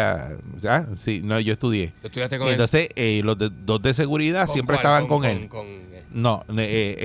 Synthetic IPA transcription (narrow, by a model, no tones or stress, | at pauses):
a̰asinoʝo̞est̪uðje̞ient̪o̞nse̞selo̞zðed̪ozðes̬e̞ɣuɾiðasje̞mpɾest̪aβaŋko̞ŋel | nonee